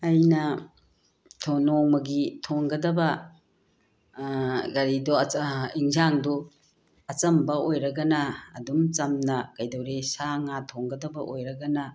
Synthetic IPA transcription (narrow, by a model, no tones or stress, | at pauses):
ɐjnɐ | tʰonoŋmɐɡitʰoŋɡɐdɐbɐ | ɡɐɾidɔiŋzaŋdɔ | ɐt͡ʃɐmbɐojɾɐɡɐnɐ̰ːdumt͡ʃɐmnɐkɐjdɐwɾesaŋatʰoŋɡɐdɐbɐʔojɾɐɡɐnɐ